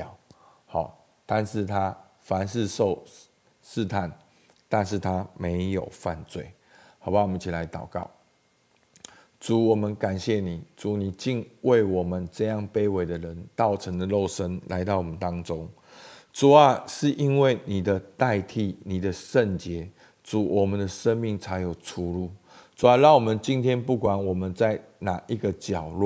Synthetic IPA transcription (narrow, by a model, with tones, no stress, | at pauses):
hɑ̰˨˩ | t̪a˥˧nʂɻ̩˥˩t̪ʰa˦ | fa˨˦nʂɻ̩˥˧ʂo˥˧ʊ | ʂɻ̩˥˧t̪ʰa˥˩n | t̪a˥˧nʂ̬ɻ̩˥˩t̪ʰa˦me˧˦ɪjo˨˩ʊfa˥˧nt͡swe˥˩ɪ | hɑ˨˩ʊpa˥˩wmə˦ni˥˩t͡ɕʰi˨la˧˦ɪt̪ɑ˨˩ʊkɑ˥˩ʊ | t͡su˨˩˦wɔ˨˩mə˦nka˨˩nɕjɛ˥˩ni˨˩t͡su˨˦ni˨˩t͡ɕi˥˧nwe˥˩ɪwɔ˨˩mə˦nʈ͡ʂɤ˥˧jɑ˥˨ŋpe˥ɪwe˨˩ɪd̪ə˨ɻə˨˦nt̪ɑ˥˩ʊʈ͡ʂʰə˧˥ŋd̪ə˨lo˥˩ʊʂə˦nla̰˧˥ɪt̪ɑ˥˩ʊwɔ˨˩mə˨˦nt̪ɑ˥ŋt͡so˦ŋ | ʈ͡ʂu˨˩a˦ʂɻ̩˥˨ʔi˦˥nwe˥˩ɪni˨˩d̪ə˦t̪a˥˧ɪt̪ʰi˥˩ni˨˩d̪ə˦ʂə˥˨nt͡ɕjɛ˨˧˥ | t͡su˨˩wʔɔ˨˩mə˨˦nd̪ə˨ʂə˦nmi˥˨˩ŋt͡sʰa˧˥ɪjo˨˩ʊʈ͡ʂʰu˧˥lu˥˩ | t͡su˨a˦ɻɑ˥˩ŋwɔ˨˩mə˦nt͡ɕi˥˦nt̪ʰjɛ˦˥npu˥˩kwa˨˦nwɔ˨˩mə˨˦nt͡sa˥˩ɪna˨˩ʔi˧˦ɡə˨t͡ɕjɑ˨˩ʊlwɔ˥˨